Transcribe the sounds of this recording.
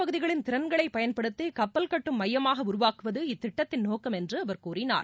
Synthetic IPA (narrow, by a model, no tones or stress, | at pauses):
pɐɣɯðɪɣɐɭɪnt̪ɪɾɐnɡɐɭɐɪpɐjɐnpɐɽɯt̪ːɯkɐpːɐlkɐʈːɯmːɐjːɐmaːɣɐʊɾʊʋaːkɯʋɐðɯɪt̪ːɪʈːɐt̪ːɪnnoːkɐmɛndrɯɐʋɐɾkuːrɪna̰ːɾ